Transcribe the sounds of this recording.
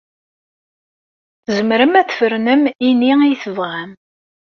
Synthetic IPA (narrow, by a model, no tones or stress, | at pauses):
θzəmɾəmæθfəɾnəminiijθəvʁæm